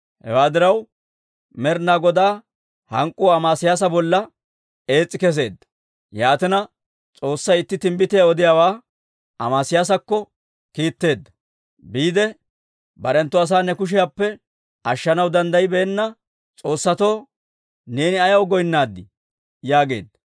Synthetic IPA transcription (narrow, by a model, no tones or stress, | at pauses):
hɛ̰waːd̪ɪɾɐw | mɛɾnaːɡɔd̪aː | hɐŋkʼːuɐmaːsɪjaːs̬ɐbɔlːɐ | e̞ːt͡sʼːɪkɛs̬e̞ːd̪ːɐ̥ | jaːt̪ɪnɐ | t͡sʼo̞ːsːɐjɪt̪ːɪt̪ɪmbɪt̪ɪjaɔd̪ɪjawaː | ɐmaːsɪjaːs̬ɐkːɔ | kiːt̪ːe̞ːd̪ːɐ | biːd̪ɛ | bɐɾɛnt̪ːɔɐs̬aːnɛkʊʃ̬ɪjaːpːɛ | ʔɐʃːɐnɐwd̪ɐnd̪ɐjɪbeːnːɐ | t͡sʼo̞ːsːɐt̪oː | ne̞ːnɪɐjɐwɡɔjnːaːd̪ːɪ | jaːɡe̞ːd̪ːɐ